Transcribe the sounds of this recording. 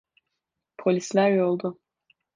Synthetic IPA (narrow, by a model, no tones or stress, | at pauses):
pʰɔlʲislaɾiɔlˠd̪ɔ